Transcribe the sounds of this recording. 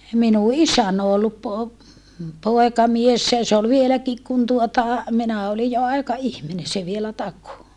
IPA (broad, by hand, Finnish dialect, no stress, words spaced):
minu isæn o olːup po poekɑmiesːæ jɑ se ol ʋielækik kun tuotɑ minæ olij jo ɑikɑihmine se ʋielæ tɑko